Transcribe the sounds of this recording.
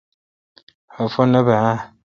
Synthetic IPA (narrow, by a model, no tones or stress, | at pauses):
afɔnəbaa